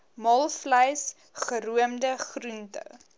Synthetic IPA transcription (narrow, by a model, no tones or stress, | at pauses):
mɐlˠfləjs | χəɾuəmdəχruntə̰w